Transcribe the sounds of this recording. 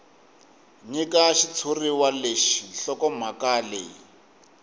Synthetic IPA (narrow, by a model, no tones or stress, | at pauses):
ɲikaʃit͡sʰuriwaleʃinɬɔkɔm̤akalḛi